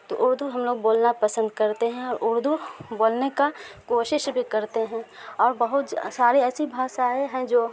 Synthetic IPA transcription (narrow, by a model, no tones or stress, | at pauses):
t̪o̰ːʔʊɾd̪ʱuɦɐmloːɡ̚boːlnapɐsə̃nd̪̚kɐɾt̪eɦɛ̃ɔːɾʔʊɾd̪ʱuboːlnekakoːʃɪʃbʱikɐɾt̪eɦɛ̃ɔːɾbɐɦʊt̪saːɾeɛːsibʱaːʃaːeɦɛ̃d͡ʒoː